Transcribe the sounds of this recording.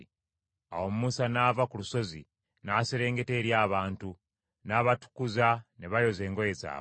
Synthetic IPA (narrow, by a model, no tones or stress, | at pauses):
a̰wo̞mumusanaːvakuluso̞zḭ | naːseɾe̞ːŋɡe̞te̞ːɾjaːβaːntu | naːβatu̥kuzaneβajo̞ze̞ːŋɡo̞je̞za̰ː